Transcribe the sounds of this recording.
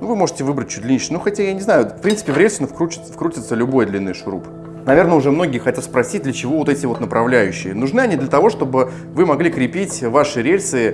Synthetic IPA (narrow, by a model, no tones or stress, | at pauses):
nuvɨmo̞ʐɨ̥tʲɪvɨbɾət̚ʲt͡ɕːu̥t̚ʲd̪lʲinʲiʂnuxɐtʲajanʲɪznajʊfpɾʲint̪sɨ̥pʲɪvɾelʲsənəfkɾut͡ɕɪ̥t̪səfkɾutʲɪt̪səlʲʊbo̞jd̪lʲinːɨjʂɾṵp | nɐvʲe̞rnəʊʐɛmno̞ɡʲɪjɪxɐtʲat̪spɾɐsʲit̚ʲd̪lʲət͡ɕɪvovo̞t̪ɛtʲɪvo̞t̪nəpɾʔɐvlʲæjʉɕːɪ̰jənʊʐnɨɐnʲid̪lʲət̪ɐvo̞ʂt̪o̞bɨ | vɨmɐɡlʲikɾʲɪpʲitʲvaʂɨɾʲelʲsɨ